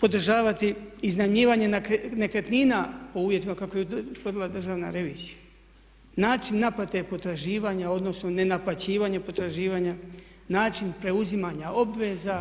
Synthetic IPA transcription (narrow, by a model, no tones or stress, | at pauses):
po̞d̪r̩ʒaːʋat̪iiznamiːʋaːɲe̞nenekɾet̪niːnapo̞uːʋje̞t̪imakako̞jeut̪ʋərdilˠad̪r̩ʒaːʋna̰ɾe̞ʋiːz̥ija | naːt͡ʃinːaplat̪e̞po̞t̪ɾaʒiːʋaɲao̞d̪no̞sno̞ne̞naplˠat͡ɕiːʋaɲepo̞t̪ɾaʒiːʋaːɲa | naːt͡ʃinpɾe̞uzimaːɲao̞bʋe̞ːza